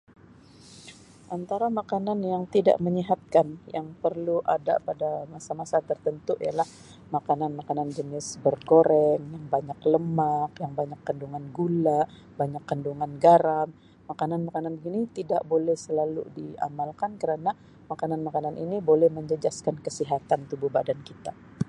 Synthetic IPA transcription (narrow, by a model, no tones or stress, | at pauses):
ʔant̪aɾamakananjaŋt̪ida̰ʔməɲiɦat̪̚kanjaŋpərluʔada̰padamasamasat̪ərt̪ənt̪uʔijalah | makananmakanand͡ʒənɪsbərkoɾɛŋjaŋbaɲakləmakjaŋbaɲakːənduŋanɡula | baɲakːənduŋanɡaɾamː | akananmakananbəɡinit̪ida̰ʔbolɛhsəlalṵdia̰malkankəɾana | makananmakananʔḭnibolɛhməɲd͡ʒəd͡ʒaskankəsiɦat̪ant̪ubuhba̰dankit̪a